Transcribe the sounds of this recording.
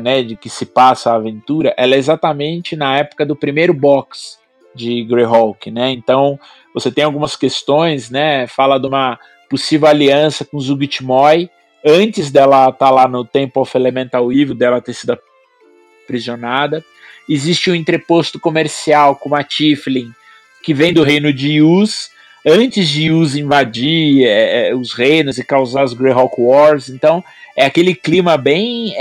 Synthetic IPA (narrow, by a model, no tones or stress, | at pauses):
nɛd͡ʒɪkɪsɪpasɐaːvẽnt̪uɾɐʔɛlɛezat̪ɐmẽnt͡ʃɪnɐɛpʊ̥kɐd̪ʊpɾimejɾʊbɔks | d͡ʒɪɡɾeɦɔwkɪnɛẽnt̪ɐ̃w̃ | voset̪ẽj̃awɡũmɐskest̪õj̃snɛfalɐd̪ũmɐ | posivewaliɐ̃sɐkõzuɡit͡ʃimɔj | ɐ̃nt͡ʃɪzd̪ɛlɐt̪aɾlanʊt̪ẽmpʊafelemẽnt̪awivʊd̪ɛlɐt̪eɾsid̪ɐ | pɾizionad̪ɐ | ɪzist͡ʃɪũẽnt̪ɾepost̪ʊ̥komeɾsiawkõat͡ʃiflĩ | kɪvẽj̃d̪ʊɦẽjnʊd͡ʒɪus | ɐ̃nt͡ʃɪzd͡ʒɪuzĩvad͡ʒiɛʊshẽjnʊzɪkawzaɾʊzɡɾeɦɔkwɔɾsẽnt̪ɐ̃w̃ | ɛakelɪklimɐbẽj̃